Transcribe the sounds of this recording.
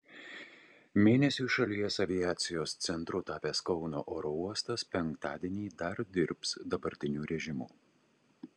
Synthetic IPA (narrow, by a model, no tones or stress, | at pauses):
mʲeːnʲɛsʲuːˑʃɐlʲiɛsɐʋʲɪjæːt̪sʲɪjoːst̪sʲɛnt̪ɾʊt̪ɑːpʲeːskɒʊno̰ːʔoːɾɔuɔst̪ɐspʲɛŋkt̪ɑ̰ːd̪ʲɛnʲiːd̪ɐɾd̪ʲɪɾpsd̪ɐbɐɾʲt̪ʲɪnʲuːɾʲɛʒʲɪmṵː